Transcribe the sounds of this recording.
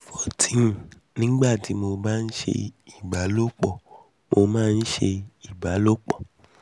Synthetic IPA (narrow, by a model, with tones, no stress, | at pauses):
fɔ˨tʰĩ˨ | nĩ˦ɡ͡ba˦˨ti˨˦mo˧ba˦˧n̩˦ʃḛ˧i˨ba˨˦lo˦k͡pɔ˦˨ | mo˧mãː˦˧n̩˦ʃe˧i˨ba˨˦lo˦k͡pɔ˦˨